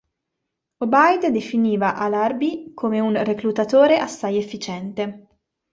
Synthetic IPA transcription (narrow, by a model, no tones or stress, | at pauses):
obajd̪d̪efiniːvaʔalarbikʰoːmeunreklut̪at̪oːɾeʔasːajefːit͡ʃɛnt̪e